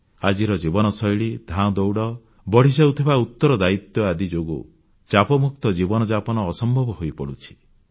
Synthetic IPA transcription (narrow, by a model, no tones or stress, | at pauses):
ad͡ʒiɾɔd͡ʒibɔnɔsɔjɭid̪ʱãɔ̃d̪ɔwɽɔ | bɔɽ̤isawt̪ʰibaut̪ːɔɾɔd̪ait̪jɔad̪id͡ʒoɡu | t͡ʃapɔmuk̚t̪ɔd͡ʒibɔnɔd͡ʒapɔnɔːsɔmbʱɔbɔɦojpɔɽut͡ʃʰi̥